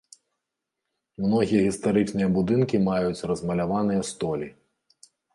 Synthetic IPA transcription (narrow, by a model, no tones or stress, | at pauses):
mnɔɣʲijɐɣʲist̪aɾɨt͡ʂnɨjɐbud̪ɨnkʲimajut͡sʲrɐzmɐlʲavanɨjɐst̪ɔlʲi